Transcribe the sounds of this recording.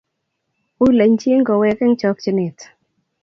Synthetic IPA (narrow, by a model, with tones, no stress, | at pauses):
ʊ˦le˨ɲt͡ʃe˦ŋɡɔ˨wɛ˧kɛ˦ŋt͡ʃɔ˦k̚t͡ʃi˨˦nɪ˨t